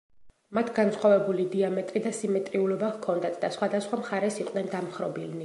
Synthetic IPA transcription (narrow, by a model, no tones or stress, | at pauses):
mat̪ʰɡansχwavɛbulid̪iamɛt̪ʼɾid̪asimɛt̪ʼɾiulɔbavkʰɔnd̪at̪ʰd̪asχwad̪asχwamχaɾɛsiqʼnɛnd̪amχɾɔbilni